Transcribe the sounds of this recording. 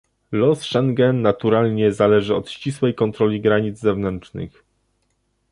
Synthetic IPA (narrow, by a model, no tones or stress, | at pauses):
lɔsʂɛŋɡɛnːat̪uɾalɲɛzalɛʐɘɔt̪ɕt͡ɕiswɛjkɔnt̪ɾɔlʲiɡɾaɲid̪zzɛvnɛnt͡ʂnɘ̰x